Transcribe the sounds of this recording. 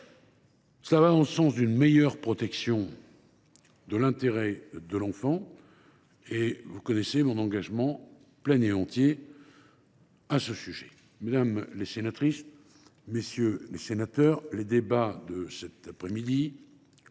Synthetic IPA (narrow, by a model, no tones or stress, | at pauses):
səlavad̪ɑ̃ləsɑ̃sd̪ynmejœʁpχɔt̪ɛksjɔ̃ | d̪əlɛ̃t̪eʁɛd̪əlɑ̃fɑ̃ | evukɔnɛsemɔ̃nɑ̃ɡaʒmɑ̃ | plɛneɑ̃t̪je | asəsyʒɛ | med̪amlesenat̪χis | mesjølesenat̪œʁled̪ebad̪əsɛt̪apχɛmid̪i